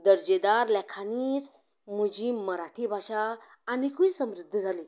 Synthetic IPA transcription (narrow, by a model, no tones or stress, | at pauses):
d̪əɾd͡ʑed̪aɾlɛkʰaniːs | mud͡ʑiːməɾaʈʰiːbʱaɕaː | nikʰusəmɾid̪ʱːd͡zʱaliː